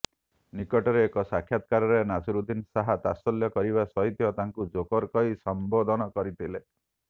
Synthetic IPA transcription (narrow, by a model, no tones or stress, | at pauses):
nikɔʈɔɾeːkɔsakʰjat̪kaɾɔɾenasɔɾud̪insaɦat̪asɔljɔkɔɾiβasɔɦit̪jɔt̪aŋkud͡ʒokɔɾkɔisɔmbod̪ʱɔnɔkɔɾit̪ʰile